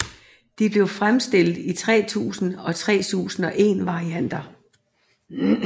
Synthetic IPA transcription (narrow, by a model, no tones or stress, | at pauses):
d̥ib̥le̝ʊfʁamsd̥e̝l̰ð̥̩ˠit͡sʰʁɛ̰ːt͡sʰṵːsn̩ɒ̽t͡sʰʁɛ̰ːt͡sʰṵːsn̩ɒ̽ʔe̝ːnʋɑ̈ʁiæn̰d̥ɐ